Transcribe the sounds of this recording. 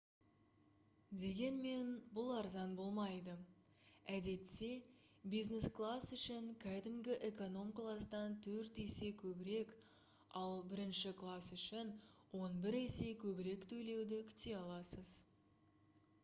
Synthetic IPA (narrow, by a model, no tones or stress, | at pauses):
d̪e̞ɡʲe̞nme̞nbʊlˠɑɾzɑnbo̞lˠmɑjd̪ə | æd̪e̞t̪se̞ | bijzne̞sklˠasʏʃɪŋkʲʰæd̪ɪmɡʲɪʔe̞ko̞no̞mklˠɑsd̪ɑnt̪ʰɵɾt̪ese̞kʲʰɵbɪɾe̞k | ɑlˠbɪɾɪnʃɪklˠasʏʃɪnwo̞nbɪɾese̞kʲʰɵbɪɾe̞kt̪ʰɵle̞wd̪ɪkʲʰʏ̥t̪e̞ɑlˠɑsəz